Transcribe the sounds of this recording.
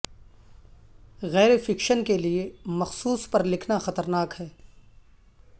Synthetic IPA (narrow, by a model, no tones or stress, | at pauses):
ɣɛːɾefɪkʃənkeliemɐxsuːspɐɾlɪkʰnaxɐt̪əɾnaːkɦɛː